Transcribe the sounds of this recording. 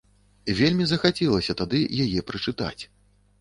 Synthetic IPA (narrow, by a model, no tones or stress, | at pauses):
vʲelʲmʲizɐxat͡sʲɛlˠɐsʲɐt̪ad̪ɨjajɛpɾɨt͡ʂɨt̪a̰t͡sʲ